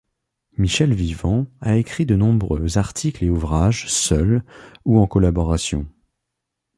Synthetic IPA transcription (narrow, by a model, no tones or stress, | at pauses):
miʃɛlvivɑ̃aekχid̪ənɔ̃bʁøzaʁt̪ʰikleuvʁaʒsœluɑ̃kɔlabɔʁasjɔ̰̃